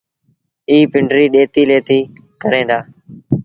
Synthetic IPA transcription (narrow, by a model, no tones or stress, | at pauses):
iːpɪɳɖɾiːɗeːt̪iːleːt̪iː | kəɾẽːd̪aː